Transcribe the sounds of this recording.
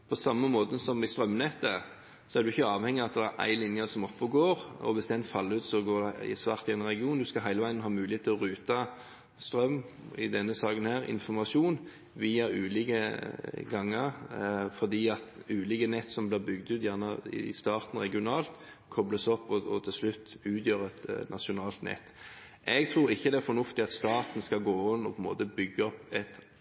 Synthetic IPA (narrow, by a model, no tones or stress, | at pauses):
pʰɔsɑmːəmoːt̪əsɔmɪst̪ɾœmːnɛt̪ːə | sɔæʁd̪ʉɪçːəɑːʋhɛŋːɪɑt̪̚d̪æʔæ̰ɪlɪnjəsɔmɔpːɔɡoːɾɔ̰ʋɪsd̪ɛnfɑlːəʉːt̪sɔɡoːʁd̪ɛɪ̰sʋɑːʁt̪ɪæɪnʁɛɡɪuːnd̪ʉskɑɦæɪləʋæɪənɦɑːmʉːlɪheːt̪ʰːəlɔʁʉːt̪ɑ | st̪ɾœmː | ɪ̰d̪ɛnːəsɑːkənhæːɾɪ̰nfɔmɑʂuːn | ʋiːɑʉːliːkəɡɑŋːəɾfɔʁd̪iːɑt̪ʉːliːkənɛt̪ːsɔmblɪːʁbʏɡd̪ʉːt̪jæʁnəɪ̰st̪ɑːʁt̪n̩ʁɛɡɪʊnɑːlt̪ | kʰɔbləsɔpːɔɔt̪ʰɪlslʉt̪ːʉːt̪ʰjøːʁɛt̪nʔɑʂʊnɑːlt̪nɛ̰t̪ː | ʔɛɡt̪ʰɾuːɾɪçːəd̪ɛæɾfɔnʊft̪ɪɑt̪st̪ɑːt̪nskɑɡoːɪnːɔpʰɔɛnmo̰ːt̪əbʏɡːəɔpːɛt̪